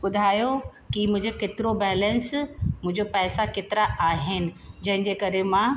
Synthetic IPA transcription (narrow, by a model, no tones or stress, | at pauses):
ɓʊd̪ʱaːjokimʊ̃ɦɪ̃ɲd͡ʑeket̪ɪɾobɛːlə̃nsmʊ̃ɦɪ̃ɲd͡ʑopɛːsakɪt̪ɪɾaaːɦɪnɪ̆d͡ʑɐ̃ɦɪ̃ɲd͡ʑekɐɾemã